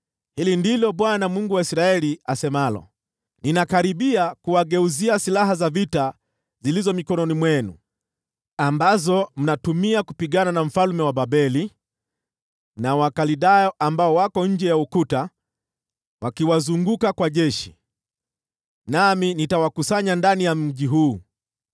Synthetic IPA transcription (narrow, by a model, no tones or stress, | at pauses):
hilindilɔɓwanamuŋɡuwaisɾaɛliasɛmalɔ̰ | ninakaɾiɓiakuwaɡɛuziasilaɦazavita | zilizɔmikɔnɔnimwɛnṵ | ambazɔm̩natumiakupiɠananam̩falmɛwaɓaɓɛli | nawakaliɗajɔʔambaɔwakɔɲ̩d͡ʒɛjaukuta | wakiwazuŋɡukakwaʄɛʃi̥ | naminitawakusaɲandanijam̩ʄiɦuː